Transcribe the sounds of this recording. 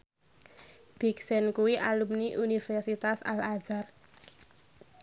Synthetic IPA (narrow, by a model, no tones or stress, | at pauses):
b̥i̤ksɛnkuwiʔalumniʔunifɛrsit̪asa̰lḁd͡ʒar